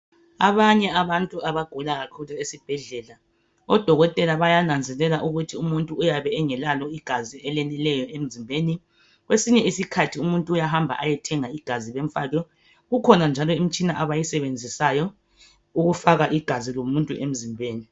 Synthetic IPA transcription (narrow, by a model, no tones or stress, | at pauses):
a̰βaɲɛaβantʼuaβaɡ̥ʱulaɣakʰuluesib̥ʱɛɮɛla | ɔd̥ʱɔɣɔtʼɛlaβajanand͡zʱɛlɛlaʔuɣutʰiumuntʼuːjaβɛːŋɛlalɔiɡ̥ʱaziɛlɛnɛlɛjɔem̩zimbʱeːni | ɣwesiɲɛisikʰatʰiumuntʼuːjaɦambʱa̰ʔajɛtʰɛŋaiɡ̥ʱaziβeɱ̩fatɔ | ɣukʰɔnand͡ʒʱalɔim̩t͡ʃʼinaʔaβajisɛβend͡zʱisajɔ | uɣufaɣaʔiɡ̥ʱazilomuntʼṵʔem̩zimbʱeːni